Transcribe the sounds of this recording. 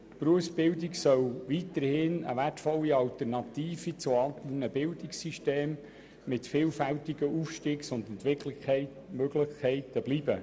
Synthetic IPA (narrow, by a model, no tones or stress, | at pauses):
pɾuəfsbɪwdiksœwʋitəɾhɪnə̰ʋærtfɔlːiɑlt̪əɾnɑt̪iːfit͡sʊɑntlənəbɪldɪksiʃteːmː | ɪtfɪːlfæltiɡ̥əuːfʃtiːksʊnd̪ɛntʋɪkləɛɪ | møɡlɪχkʰːɛɪtəb̥liːbə